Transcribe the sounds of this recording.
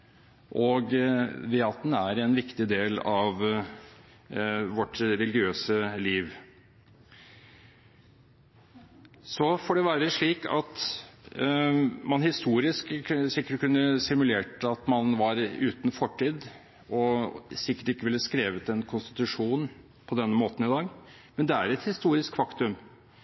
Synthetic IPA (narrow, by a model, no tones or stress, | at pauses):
ʔɔɡʋɛɑt̪næɾɛnʋɪkt̪ɪd̪eːlɑʋ | ʋɔʈɾɛlɡɪøːsəliːʋ | sɔfɔɖɛʋæːɾəʂɭiːkʰɑ̰t̪ | mɑnhɪst̪uːɾɪsksɪkːəʈkʰʉnːəsɪmʉleːʈɑt̪mɑnʋɑɾʉːt̪nfɔʈʰːiːd̪ | ɔsɪkːəʈɪkːəʋɪlːəskɾeːʋət̪ɛnkʰʊnst̪ɪ̥t̪ʉʂuːn | pʰɔd̪ɛnːəmoːt̪n̩ɪd̪ɑːɡ | mɛnd̪ɛæɾɛt̪hɪst̪uːɾɪskfɑkt̪ʉm